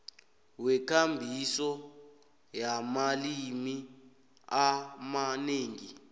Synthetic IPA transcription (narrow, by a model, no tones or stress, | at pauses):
wɛkʰambʱisɔ | jamalimi | amaneːŋi